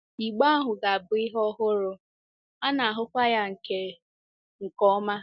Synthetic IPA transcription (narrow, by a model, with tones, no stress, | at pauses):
i˨ɡ͡ba˦a˦ɦʊ˨ɡa˨a˨bʊ˨ɪ˦ɦɔ˦ɦʊ˦ɾʊ˨ | a˦na˨a˨ɦʊ˦kʷa˦ja˦ŋ̩˨ke˨ | ŋ̩˨kɔ˦ma˦